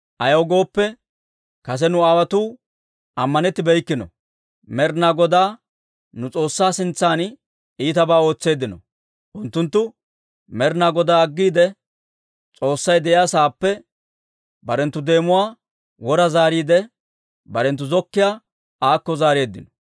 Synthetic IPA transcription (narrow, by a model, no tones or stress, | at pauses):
ʔɐjɐɡo̞ːpːɛ | kɐs̬ɛnʊaːwɐt̪uː | ʔɐmːɐnɛt̪ːɪbɛjkːɪnɔ̰ | mɛɾnaɡɔd̪aː | nʊt͡sʼo̞ːsːaːsɪnt͡sːaːn | iːt̪ɐbaːo̞ːt͡sːe̞ːd̪ːɪnɔ̰ | ʔʊnt̪ːʊnt̪ːʊ | mɛɾnaːɡɔd̪aːɐɡːiːd̪ɛ | t͡sʼo̞ːsːɐjd̪ɛʔjaːsaːpːɛ | bɐɾɛnt̪ːʊd̪e̞ːmʊwaː | wɔɾɐzaːɾiːd̪ɛ | bɐɾɛnt̪ːʊzɔkːɪjaː | aːkːɔzaːɾeːd̪ːɪnɔ̥